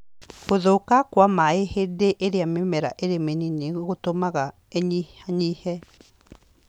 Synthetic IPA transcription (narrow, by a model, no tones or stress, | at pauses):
ɣoðokakwamaehedeʔeɾeamemɛɾa̰ʔeɾemenineɣotomaɣa | eɲiaɲihɛ